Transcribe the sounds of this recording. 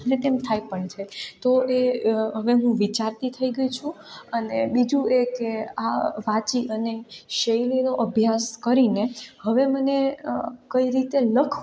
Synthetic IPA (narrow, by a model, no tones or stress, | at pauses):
net̪emt̪ʰajpəɳt͡ʃʰet̪oʔeɦəʋeɦũʋit͡ʃaɾt̪it̪ʰəiɡəit͡ʃʰũənebid͡ʒũekeaʋat͡ʃiʔəneʃəilinoʔəbʱjaskəɾinehəʋemənekəiɾit̪eləkʰ